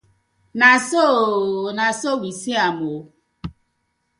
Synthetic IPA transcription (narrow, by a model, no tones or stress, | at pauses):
nasonasowisiamo